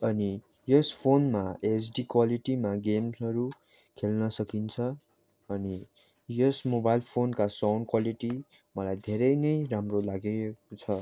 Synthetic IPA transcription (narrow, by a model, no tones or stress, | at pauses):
ʌni | jʌspʰonmaesɖikwaliʈimaɡemsʌɾu | kʰelnʌsʌkint͡sʰʌ | ʌni | jʌsmobajlpʰonkasawnkwaliʈi | mʌlajd̪ʱeɾʌjnʌjɾamrolaɡet͡sʰʌ